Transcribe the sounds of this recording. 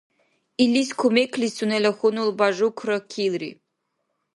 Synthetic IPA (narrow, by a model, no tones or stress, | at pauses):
iliskʰumeklisunɛlɐxunulbaʒukʰɾəkʰilɾḭ